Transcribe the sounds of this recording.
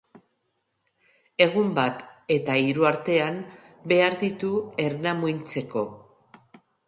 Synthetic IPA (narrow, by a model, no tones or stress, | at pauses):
e̞ɣ̞umbat̪e̞t̪aiɾuaɾt̪e̞am | be̞aɾðit̪ue̞ɾnamujnt͡se̞ko̞